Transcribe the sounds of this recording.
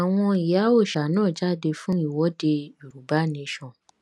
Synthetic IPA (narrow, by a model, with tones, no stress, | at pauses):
a˨w̃ɔ̃˧i˨ja˨˦o˦˨ʃa˨˦nãː˦˨d͡ʒa˦de˧fũ˦i˦˨wɔ˨˦de˧i˨ɾu˨ba˨˦nĩ˧˦ʃɔ̃˨